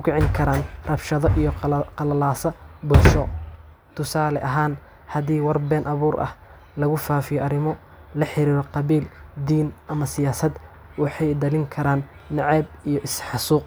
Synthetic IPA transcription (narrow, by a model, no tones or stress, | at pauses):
ʊkʰɪʕɪŋkʰɐɾaːnrɐbʃɐðɔʔijɔqɐlɐlaːsɐbʊlʃɔ | t̪ʰʊsaːlɛʔɐɦaːn | hɐðiːwɐrbɛːnʔɐβuːrʔɐ̰h | lɐɣʊfaːfɪjɔʔɐɾɪmɔ | lɐħɪɾiːɾɔqɑβiːld̪iːnʔɐmɐsɪjaːsɐd̪ | wɑħɑjd̪ɐlɪŋkʰɐɾaːnː | ɑʕɛbijɔʔɪsħɑsuːq